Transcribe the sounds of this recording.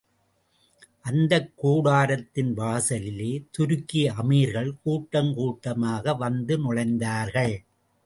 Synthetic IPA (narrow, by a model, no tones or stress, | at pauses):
ʔɐnd̪ɐkːuːɽaːɾɐt̪ːɪnʋaːsɐlɪleːt̪ʊɾɯkːiɐmiɾɣɐɭkuːʈːɐŋkuːʈːɐmaːɣɐʋɐnd̪ɯnʊɽɐɪnd̪aːɾɣɐɭ